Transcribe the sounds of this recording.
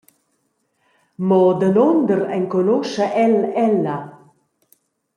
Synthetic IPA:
mɔd̪ənond̪əɾɛŋkonoʃəʔɛlɛlːɐ

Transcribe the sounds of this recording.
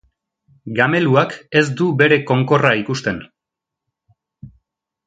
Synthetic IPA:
ɡame̞luake̞zd̪ube̞ɾe̞ko̞ŋko̞raikust̪e̞n

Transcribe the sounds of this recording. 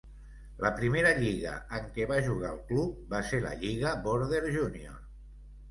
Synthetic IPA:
ləpɾimeɾəʎiɣə̰əŋkɛβaʒuɣaəlˠklup̚baselə̰ʎiɣ̞əboɾðeɾʒunio̰

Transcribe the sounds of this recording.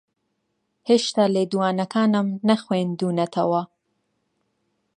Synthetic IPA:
heːʃt̪aːleːd̪uwaːnɐkʰaːnɨmnɐxweːnd̪uːnɐt̪ʰɐwɐ

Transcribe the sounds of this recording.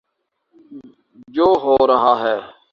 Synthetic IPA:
d͡ʒoːɦoːɾəɦaːɦɛː

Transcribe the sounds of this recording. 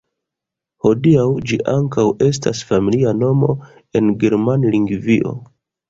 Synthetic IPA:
ho̞diawd͡ʒiʔaŋkawe̞s̬ta̰sfamiliano̞mo̞̰ | e̞nɡeɾmanliŋɡviʔo̞̰

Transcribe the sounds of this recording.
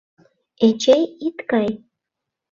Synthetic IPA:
et͡ʃejit̪kɑj

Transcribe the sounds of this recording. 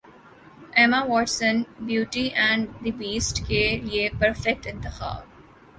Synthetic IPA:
eːmaʋɔːʈsə̃nbjuːʈiʔɛ̃ːɳɖd̪ibiːsʈkeliepəɾfɛk̚ʈɪ̃nt̪ɪxa̰ːb

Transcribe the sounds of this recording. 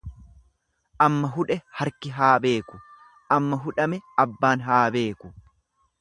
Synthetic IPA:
ʔɐmːɐɦʊᶑɛhɐɾkɪɦaːbe̞ːkʊ̥ | ʔɐmːɐɦʊᶑɐmɛɐbːaːnɦaːbe̞ːkʊ̥

